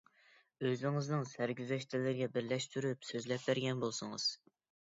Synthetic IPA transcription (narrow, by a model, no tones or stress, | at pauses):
øzɪŋɨznɨŋsæɾɡʲyzɛʃt̪ʰɪlɪɾɪɡʲɛbɪɾlɛʃt̪ʰyɾypsøzlɛp̚bæɾɡʲɛnbolˠsʊŋɨz̥